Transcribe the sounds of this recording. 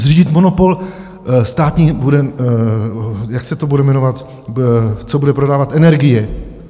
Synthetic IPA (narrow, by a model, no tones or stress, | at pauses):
zriːɟɪt̪monopo̞l | st̪aːt̪ɲibudɛ | jaksɛt̪obudɛmɛnovat̪ | t͡sobudɛpɾodaːvat̪ɛnɛɾɡɪjɛ